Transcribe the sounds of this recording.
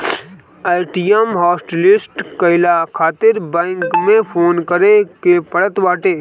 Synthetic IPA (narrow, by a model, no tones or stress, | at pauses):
aːɪʈijemɦɔːsʈelɪsʈkəɪlakʰaːt̪ɪɾbɛ̃ːŋkmẽpʰoːnkəɾekepəɽət̪ʋaːʈeː